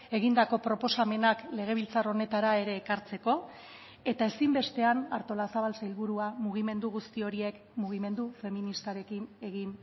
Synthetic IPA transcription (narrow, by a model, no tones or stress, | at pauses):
e̞ɣ̞ind̪ako̞pɾo̞po̞same̞nakle̞ɣ̞e̞β̞ilt͡saro̞ne̞t̪aɾae̞ɾe̞ːkaɾt͡se̞ko̞ | e̞t̪ae̞simbe̞st̪e̞anaɾt̪o̞lasaβalsailβuɾuamuɣ̞ime̞nd̪uɣust̪io̞ɾie̞k | muɣ̞ime̞nd̪ufe̞minist̪aɾe̞kine̞ɣin